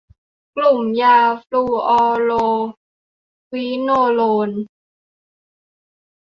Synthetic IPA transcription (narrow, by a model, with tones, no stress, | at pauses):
klu˨˩mjaː˧fluː˧ʔɔː˧loː˧ | wi˦˥noː˧loː˧n